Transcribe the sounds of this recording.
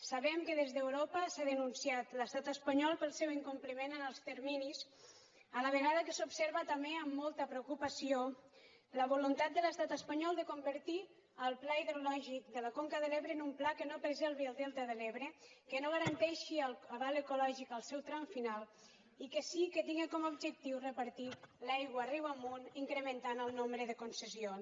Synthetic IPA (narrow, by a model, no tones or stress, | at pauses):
saβɛmkəðezðəwɾopəsaðənunsiat̪ləst̪at̪əspaɲɔlˠpəlˠsewiŋkumpləmenənəlˠst̪əɾminis | ələβəɣaðəkəsupseɾβət̪ameəmːɔlˠt̪əpɾeukupasio | ləβulunt̪at̪̚d̪ələst̪at̪əspaɲɔlˠd̪əkumbəɾt̪i | əlˠplaiðɾulɔʒik̚d̪ələkoŋkəðəleβɾəːnumplakənopəɾzɛlˠβiəlˠd̪ɛlˠt̪əðəleβɾəkənoɣ̞əɾənt̪ɛʃiələβaləkulɔʒikəlˠsɛwt̪ɾaɱfinalˠ | ikəsikət̪iŋɡekɔmaubd͡ʒək̚t̪iwrəpəɾt̪ilajɣwəːriwamuniŋkɾəmənt̪anəlˠnombɾəðəkunsəzio